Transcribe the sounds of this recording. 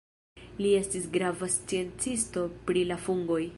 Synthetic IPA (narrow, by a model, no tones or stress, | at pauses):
lie̞stisɡɾavast͡sie̞nt͡sisto̞pɾilafuŋɡo̞j